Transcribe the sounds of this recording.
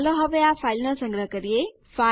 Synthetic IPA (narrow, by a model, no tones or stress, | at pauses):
lɔɦəʋeafʰaːilnəsə̃ŋɡɾəɦkəɾie | fa